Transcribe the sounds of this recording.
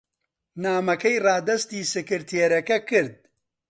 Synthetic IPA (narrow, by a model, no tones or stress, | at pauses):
naːmɐkɐjrɑːd̪ɐst̪iːsɨkɨɾt̪ʰeɾɐkɐkɨɾd̪̚